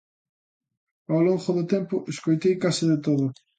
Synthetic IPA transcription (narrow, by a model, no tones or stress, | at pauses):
awloŋχʊðʊt̪ɛmpʊʔeskojt̪ejkasɪðɪt̪oðʊ